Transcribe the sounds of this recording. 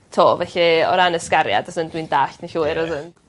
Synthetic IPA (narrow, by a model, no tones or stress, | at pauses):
tʰoːvɛɬiɔ̰ɾanəskaɾja̰dɔsəndwindaːɬʰnəɬuːɪɾɔðən